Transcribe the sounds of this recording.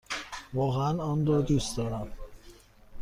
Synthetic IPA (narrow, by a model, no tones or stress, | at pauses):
vɒːɣeænɒːnɾɒːd̪usd̪ɒːɾæm